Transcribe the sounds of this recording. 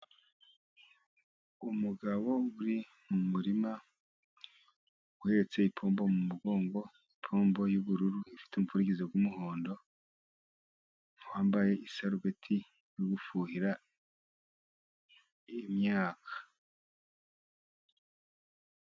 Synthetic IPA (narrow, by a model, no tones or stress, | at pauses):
umuɡaβo̞ɡuɾi | mumuɾima | ɡuhe̞ɾet͡se̞ipʰo̞ːmbo̞mumuɡo̞ːŋɡo̞ | ipʰo̞ːmbo̞juβuɾuɾuifi̥tumufuɾiɡizeɡwumuho̞ːndo̞ | waːmbaje̞isaɾuɡetʰi | joɡufuːhiɾa | imɲaːkʰḁ